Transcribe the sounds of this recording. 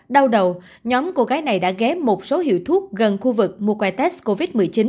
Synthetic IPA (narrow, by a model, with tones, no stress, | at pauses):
ɗa˧wɗə˨˩w | ɲɔ˨˦mko˧ɣaː˨˦jna˨˩jɗa̰ː˧˥ɣɛ˨˦mo˨˩t̚so˨˦hḭ˧˨wt̪ʰu˦˥ək̚ɣə˨˩nxu˧vɨ˨˩k̚mu˧kwa˧jt̪ɛ˦˥sko˧vi˦˥t̚mɨ˨˩jt͡ɕi˨˦n